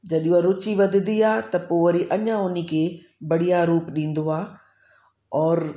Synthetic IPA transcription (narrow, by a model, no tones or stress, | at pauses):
d͡ʑɐɗũaɾʊt͡ɕiʋɐd̪ʱɪnd̪iaːt̪ɐpoʋɐɾiʔɐɲãʊnikʰeː | bɐɽijaɾuːpɗĩːn̆d̪oaː | ɔːɾ